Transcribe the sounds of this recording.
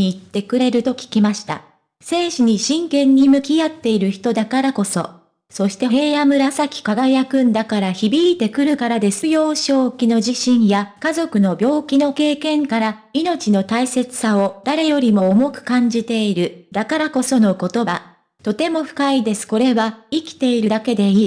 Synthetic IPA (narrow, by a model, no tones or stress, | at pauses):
iːt̪ːe̞kɯ̟ɾe̞ɾɯ̟t̪o̞kʲi̥kʲimaɕi̥t̪a̰ | se̞ːɕiɲ̟iɕĩŋkẽ̞ɲ̟ːimɯ̟kʲiat̪ːe̞iɾɯ̟çi̥t̪o̞d̪akaɾako̞so̞̰ | so̞ɕi̥t̪e̞ɦeːamɯ̟ɾasakʲi̥kaɡajakɯ̟̃nd̪akaɾaçibʲiːt̪e̞kɯ̟ɾɯ̟kaɾad̪e̞sɨjo̞ːɕo̞ːkʲino̞ʑiɕĩɰ̃jakazo̞kɯ̟no̞bʲo̞ːkʲino̞ke̞ːkẽ̞ŋkaɾa | ino̞t͡ɕino̞t̪aise̞t͡sɨ̥sao̞d̪̥aɾe̞jo̞ɾʲimo̞ːmo̞kɯ̟̥kãɲ̟d͡ʑit̪e̞iɾɯ̟d̪̥akaɾako̞so̞no̞ko̞t̪o̞ba | t̪o̞t̪e̞mo̞ɸɯ̟̥kaid̪e̞sɨ̥ko̞ɾe̞βaikʲi̥t̪e̞iɾɯ̟d̪ake̞d̪e̞iː